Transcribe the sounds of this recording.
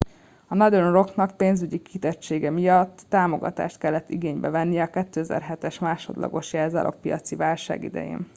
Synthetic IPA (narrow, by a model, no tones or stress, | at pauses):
ɒnɒd̪ønro̞knɒk̚peːnzyɟikit̪ɛt͡ʃːeːɡɛmijɒt̪ːaːmoɡɒ̰t̪a̰ːʃt̪̚kɛlːɛt̪ːiɡeːɲbɛvɛnːijɛɒkɛt̪ːøːɛzɛ̰rɦɛt̪ɛʃmaːʃo̞d̪lʔɒ̰ɡo̞ʃjɛːlzɒ̰lʔo̰ppijɒt̪sivaːlʃa̰ːɡḭd̪ɛ̰jḛːn